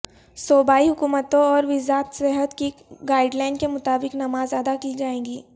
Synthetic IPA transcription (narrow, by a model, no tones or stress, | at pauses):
soːbaːiɦʊkuːmət̪õɔːɾʋɪzaːt̪sɛɦət̪kiɡaːɪɖlaːɪnkemʊt̪aːbɪknɐmaːzad̪akiːd͡ʒaːẽːŋɡiː